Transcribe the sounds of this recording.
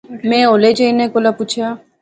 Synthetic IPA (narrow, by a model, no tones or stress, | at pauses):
mẽoled͡ʒəinẽkolaput͡ʃʰa